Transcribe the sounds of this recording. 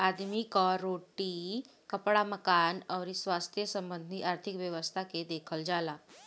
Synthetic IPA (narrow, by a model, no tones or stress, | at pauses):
ad̪mikəɾːoʈi | kəpɽaməkanəʋɾisʋast̪ʰjəsəmbənd̪ʱiʔaɾt̪ʰikʋjəʋəst̪ʰaked̪ekʰəld͡zala